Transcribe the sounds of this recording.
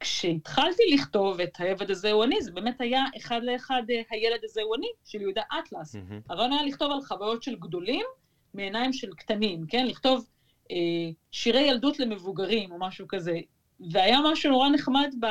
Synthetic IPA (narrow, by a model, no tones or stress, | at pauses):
kʃeitχaltiliχto̞ve̞t̪hajeved̪azeuanizebeːmethajaʔeχad̪leːχadhaje̞led̪azeuaniʃeljehud̪aʔat̪lashaʁaonajaliχt̪o̞valχavajo̞tʃe̞lɡdo̞limː | eːnajmʃe̞lktanimke̞nliχto̞v | ʔeʃiʁe̞jaldutle̞me̞vuɡaʁimo̞maʃukaze̞ | veajamaʃuno̞ʁane̞χmadb